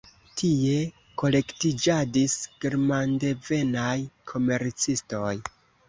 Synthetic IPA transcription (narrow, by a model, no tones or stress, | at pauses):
tʰie̞ | ko̞le̞ktid͡ʒadisɡ̥iɾmande̞ve̞najkʰo̞me̞ɾt͡sisto̞j